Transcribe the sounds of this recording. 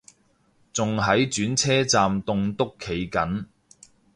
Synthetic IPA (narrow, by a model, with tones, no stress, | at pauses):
t͡sʊ˨ŋɦɐ˨˥jt͡ʃyː˨˥nt͡sʰɛː˥t͡saː˨mt̪ʊ˨˧ŋt̪ʊ˥kʰːe˨˧jkɐ˨˥n